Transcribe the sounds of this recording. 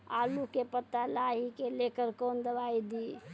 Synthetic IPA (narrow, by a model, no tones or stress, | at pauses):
a̰lukepət̪ːalaɦikelekəɾkond̪əbaid̪i